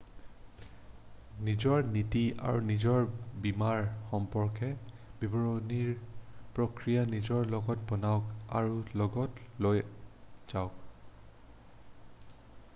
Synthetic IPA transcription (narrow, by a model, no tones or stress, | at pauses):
nizɔɹnitia̰ɹunizɔɹbimaɹxɔmpɔɹkɛ | bibɔɹɔniɹpɹokɹijanizɔɹlɔɡɔtbɔnaʊka̰ɹulɔɡɔtlojz̥aʊk